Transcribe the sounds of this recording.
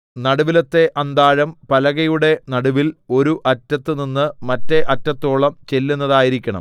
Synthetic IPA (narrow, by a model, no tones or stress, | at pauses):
nɐɽuʋilɐt̪ːe̞ʔɐnd̪aːɻɐmpɐlɐɣɐjuɽe̞nɐɽuʋilo̞ɾuʔɐtːɐt̪ːɨninːɨmɐtːe̞ʔɐtːɐt̪ːo̞ːɭɐmt͡ɕe̞lːunːɐðaːjiɾikʲːɐɳɐ̰m